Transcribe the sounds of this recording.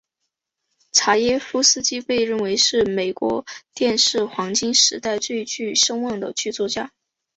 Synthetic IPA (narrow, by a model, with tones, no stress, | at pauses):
ʈ͡ʂʰa˧˥jɛ˥fu˥sɹ̩˥t͡ɕi˥pe˥˧ɪɻə˥˩nwe˧˥ɪʂɻ̩˥˩me˨˩ɪkwɔ̰˧˥t̪jɛ˥˧nʂɻ̩˥˩xwɑ˧˥ŋt͡ɕi˥ŋʂɻ̩˧˥t̪a˥˧ɪt͡swe˥˧ɪt͡ɕy˥˩ʂɤ˥ŋwɑ˥˩ŋd̪ə˩t͡ɕʰy˥˧t͡swɔ˥˩t͡ɕja˥